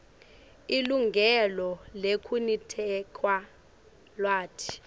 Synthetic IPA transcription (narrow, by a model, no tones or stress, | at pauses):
iluŋɡʱɛlɔlekʰunitʰɛkʰwa | lwaːtʰi̥